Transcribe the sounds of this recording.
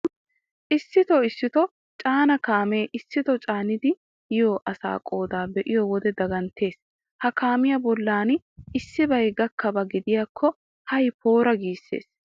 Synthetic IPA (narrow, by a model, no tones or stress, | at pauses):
ʔɪsːɪt̪ɔɪsːɪt̪ɔ | t͡ʃʼaːnɐkaːme̞ːʔɪsːɪt̪ɔt͡ʃʼaːnɪd̪ɪ | jɪjoːʔɐsa̰ːkʼo̞ːd̪aːbɛʔɪjɔwɔd̪ɛd̪ɐɡɐnt̪e̞ːs | hɐkaːmɪjɐbɔlːaːn | ɪsːɪbɐjɡɐkːɐbɐɡɪd̪ɪjakʰːɔ | hɐjpʰoːɾɐɡiːsːḛːs